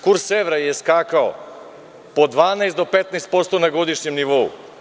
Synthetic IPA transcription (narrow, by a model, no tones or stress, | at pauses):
kuɾsːeʋɾajeskaːkao̰ | pod̪ʋaːnajst̪d̪opet̪najst̪̚po̞tst̪onaɡod̪iʃɲemniʋoṵ